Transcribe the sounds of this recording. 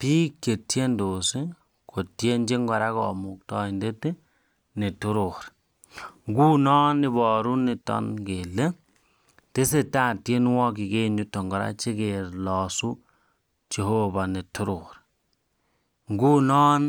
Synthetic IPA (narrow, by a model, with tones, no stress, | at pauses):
piː˦kje˨tje˦ndo˨si˦ | ko˨tje˦nd͡ʒe˦ŋɡɔ˨ɾa˦kɔ̰˨mu˨k̚tɔ˦i˨nde˦ti˦ | ne˨tu˦ɾo˨ɾ | ŋɡu˦nɔː˦nɪ˦bɔ˨ɾu˦nɪ˨tɔ̰˦nɡe˨le˦ | te˦se˦ta˦˨tje˦nwɔ˦ki˨ke˦ɲu˨tɔ˨ŋɡɔ˨ɾa̰˦t͡ʃe˦ke˨ɾlɔː˨su˦ | t͡ʃe˨ho˦ba˨ne˨tu˦ɾo˨ɾ | ŋɡu˦nɔ˦n